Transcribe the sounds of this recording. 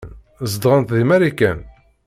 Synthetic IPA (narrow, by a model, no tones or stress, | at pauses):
n | zd̪ʁənt̪ðimæɾikːæn